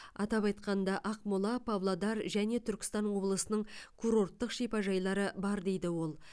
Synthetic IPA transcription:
ɑ̰t̪ɑpɑjt̪qɑnd̪ɑʔɑqmolˠɑpʰavlˠad̪ɑɾʒæne̞t̪ʰʏɾkʲɪ̥st̪ɑnwo̞blˠəsənəɴkʰuɾo̞rt̪ːəqʃijpɑʒɑjlˠɑɾəbɑɾd̪e̞jd̪ɪwo̞lˠ

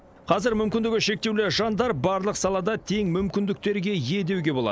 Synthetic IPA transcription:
qʰɑzɪɾmʏmkʲɪnd̪ɪɡʲɪʃe̞k̚t̪ewlɪʒɑnd̪ɑɾbɑɾlˠəqsɑlˠɑd̪ɑt̪ʰe̞ŋmʏmkʲɪnd̪ɪk̚t̪e̞ɾɡʲe̞je̞d̪e̞wɡʲe̞bo̞lˠɑ̰d̪ə

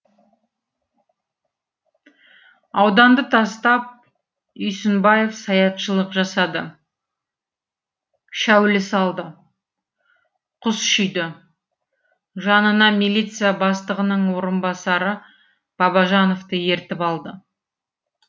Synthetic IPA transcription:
ɑwd̪ɑnd̪ət̪ʰɑst̪ɑp̚ | ʏjsɪnbɑje̞fsɑjɑt̪ʃəlˠəqʒɑsɑd̪ə | ʃæwlɪsɑlˠd̪ə | qʰʊsʃʏjd̪ɪ | ʒɑnənɑmilʲit̪sɨjabɑst̪əʁənəɴwo̞ɾənbɑsɑɾə | b̥ɑbɑʒɑno̞ft̪əje̞ɾt̪ɪpɑlˠd̪ə

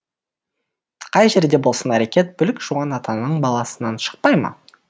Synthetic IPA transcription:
qʰɑjʒe̞ɾd̪e̞bolˠsənæɾe̞kʲe̞t̪̚bʏlɪkʒ̥uʁɑnɑt̪ɑnəɴbɑlˠɑsənɑnʃə̥q̚pɑjmə̰

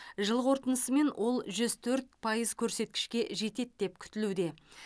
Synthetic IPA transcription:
ʒəlˠʁo̞ɾt̪ənəsəme̞nwʔo̞lˠʒʏzt̪ʰɵɾt̪̚pʰɑjəzkʲʰɵɾse̞t̪̚kʲɪ̥ʃkʲe̞ʒe̞t̪e̞d̪̚d̪e̞p̚kʲʰʏ̥t̪ɪlud̪e̞

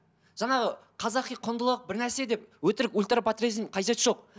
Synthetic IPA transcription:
ʒɑɴɑʁəqʰɑzɑqijqʰʊnd̪əlˠəq̚bɪɾnæɾse̞d̪e̞p̚wɵt̪ɪɾɪkulʲt̪rapat̪rʲezimqʰɑjʒe̞t̪ʒo̞q̚

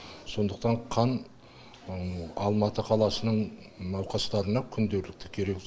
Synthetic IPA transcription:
so̞nd̪əq̚t̪ɑɴqʰɑn | ɑlˠmɑt̪əqʰɑlˠɑsənəɴ | nɑwqɑst̪ɑɾənɑkʲʰʏnd̪e̞ɾlɪk̚t̪ɪ̥kʲʰe̞ɾe̞k

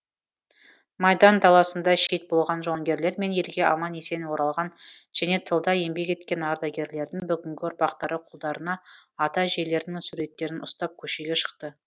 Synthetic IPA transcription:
mɑjd̪ɑnd̪ɑlˠɑsənd̪ɑʃejt̪̚bo̞lˠʁɑnʒo̞ŋɡʲe̞ɾle̞ɾme̞nje̞lɡʲe̞ʔɑmɑne̞se̞nwo̞ɾɑlˠʁɑnʒ̥æne̞t̪ʰəlˠd̪ɑje̞mbe̞kʲe̞t̪kʲe̞nɑɾd̪ɑɡʲe̞ɾle̞ɾd̪ɪŋbʏɡʲɪŋɡʲɪʊɾpɑqt̪ɑɾəqʰʊlˠd̪ɑɾənɑːt̪ɑʒe̞jle̞ɾɪnɪŋsuɾe̞t̪ːe̞ɾɪnʔʊst̪ɑp̚kʲʰɵʃe̞ɡʲe̞ʃə̥qt̪ə

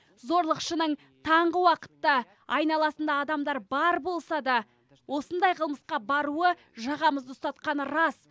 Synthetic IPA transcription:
zo̞ɾlˠəqʃənəɴ | t̪ʰɑɴʁəwɑqə̥t̪ːɑ | ɑjnɑlˠɑsənd̪ɑːd̪ɑmd̪ɑɾbɑɾbo̞lˠsɑd̪ɑ | wo̞sənd̪ɑjqʰəlˠməsqɑbɑɾuə | ʒɑʁɑməzd̪əʊst̪ɑt̪qɑnəɾɑs

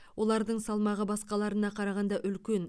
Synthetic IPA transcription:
wo̞lˠɑɾd̪əɴsɑlˠmɑʁəbɑsqɑlˠɑɾənɑqʰɑɾɑʁɑnd̪ɑʔʏlkʲe̞n

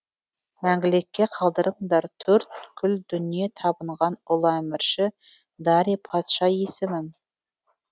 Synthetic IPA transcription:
mæŋɡʲɪlekʲːe̞qʰɑlˠd̪əɾəɴd̪ɑɾt̪ʰɵɾt̪̚kʲʰʏld̪ʏnije̞t̪ʰɑbəɴʁɑnʊlˠæmɪɾʃɪ | d̪ɑɾipʰɑt̪ʃɑjesɪmɪn

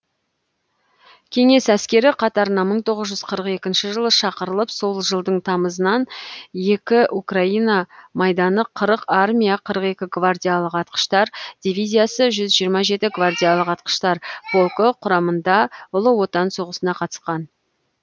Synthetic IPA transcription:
kʲʰe̞ŋe̞sæskʲe̞ɾɪqʰɑt̪ɑɾənɑməɴt̪ʰo̞ʁəzʒʏz̥qʰəɾəqe̞kʲɪnʃɪʒəlˠəʃɑqəɾəlˠəpso̞lˠʒəlˠd̪əɴt̪ʰɑməzənɑnje̞kʲɪʔukraijnɑmɑjd̪ɑnəqʰːəɾəqarmʲijaqʰəɾəqe̞kʲɪɡvardʲijalˠəqɑt̪̚qə̥ʃt̪ɑɾd̪̥ʲivʲijzʲijasəʒʏzʒijəɾmɑʒe̞t̪ɪɡvard̪ʲijalˠəqɑt̪̚qə̥ʃt̪ɑɾb̥o̞lˠkəqʰʊɾɑmənd̪ɑʊlˠəwo̞t̪ɑnso̞ʁəsənɑqʰɑt̪ə̥sqɑn

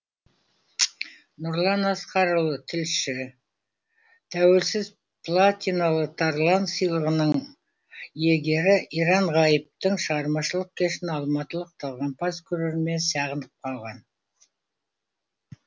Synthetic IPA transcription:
nʊɾlˠɑnɑsqɑɾəlˠət̪ʰɪlʃɪ | t̪ʰæwe̞lsɪz | pʰlˠat̪ʲinalˠət̪ʰaɾlˠɑnsijlˠəʁənəɴ | jeɡʲe̞ɾɪʔiɾɑɴʁɑjəp̚t̪əɴʃəʁɑɾmɑʃəlˠəq̚kʲʰe̞ʃɪnɑlˠmɑt̪əlˠəq̚t̪ʰɑlˠʁɑnpʰɑzkʲʰɵɾeɾme̞nsɑʁənd̪əp̚qʰɑlˠʁɑn

